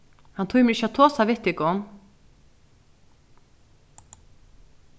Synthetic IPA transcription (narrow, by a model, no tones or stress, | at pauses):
hant̪ʰuːɣjmɛɾɪçːat̪ʰoːsavɪht̪ɪkɔn